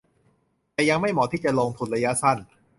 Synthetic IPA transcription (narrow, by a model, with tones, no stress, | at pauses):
t̪ɛː˨˩ja˧ŋma˥˩jmɔː˩˦iː˥˩t͡ɕa˨˩loː˧ŋt̪ʰu˨˧nɾa˧ja˦˥sa˥˩n